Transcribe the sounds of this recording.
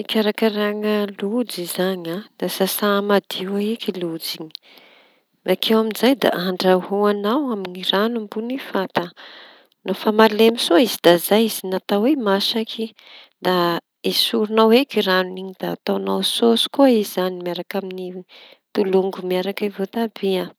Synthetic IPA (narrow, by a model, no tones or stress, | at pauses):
ikʲaɾakəɾaŋəlud͡zizaɲad̪̥asasamad̪iwaekilud͡ziɲi̥ | akʰewamizajd̪a̰ʔaɳɖ͡ʐahuanawaminiranumbunifat̪a | nafamalemisoizid̪azajizinat̪awemaʃakʰi | d̪a | isuɾunawekiɾanuniɲid̪̥aːt̪awnawsosu̥kuaizanimiaɾakamini | t̪uluŋɡumiaɾakavot̪ab̥ia